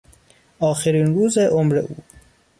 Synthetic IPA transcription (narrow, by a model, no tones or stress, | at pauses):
ɒːxeɾiːnɾuːzeʔomɾḛʔuː